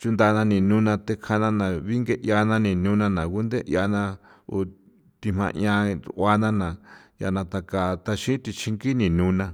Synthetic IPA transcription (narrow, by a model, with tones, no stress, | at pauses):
t͡ʃu˧nd̪a˧nã˧nĩ˨nũ˦nã˧t̪e˧kʰa˧nã˧nã˨βi˦ŋɡe˦ʔja˧nã˧nĩ˨nũ˧˦nã˧nã˨ku˦nd̪e˦ʔj̰a˧nã˧ | o˨ | t̪i˧m̥ã̰˧ɲã˧ɾʔʷa˧nã˦nã˨ja̰˧nã˧t̪a˧ka˨t̪a˧ʃĩ˦t̪i˧t͡ʃʰi˧ŋɡi˦nĩ˨nũ˧˦nã˧